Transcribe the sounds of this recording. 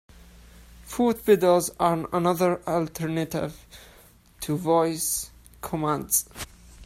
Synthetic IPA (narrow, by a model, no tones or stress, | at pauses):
fut̚b̥ɪdəlzənənʌðəɹəltʰəɹnətɪ̰v̥ | tʰuvɔɪs | kʰɔmãndz̥